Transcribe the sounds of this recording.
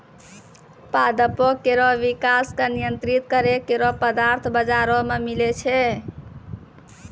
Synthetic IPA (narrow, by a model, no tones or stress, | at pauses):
pad̪əpɔkeɾɔʋikaskenijənt̪ɾit̪kəɾekeɾɔpəd̪aɾt̪ʰbəd͡ʒaɾɔmemilet͡ʃʰɛ